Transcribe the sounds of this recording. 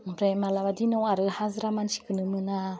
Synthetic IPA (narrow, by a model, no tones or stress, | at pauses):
pɾemalaβadinɔwaɾɯhazɾamansi̥kɯnɯmɯna